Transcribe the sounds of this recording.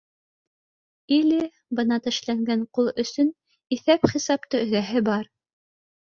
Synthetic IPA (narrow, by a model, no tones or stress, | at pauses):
ilɘ | bɤ̆nɑt̪ɘ̆ʃlæŋɡæɴqulˠɵ̆sɵn | iθæpχisɑp̚t̪ɤɵ̆ðæɦɘbɑɾ